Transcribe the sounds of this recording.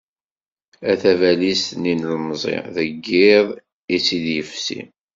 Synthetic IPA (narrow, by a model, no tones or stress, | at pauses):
æθævælisninlmzˤɪ̰ðəɡːɪðˤ | isid̪jəfsḭ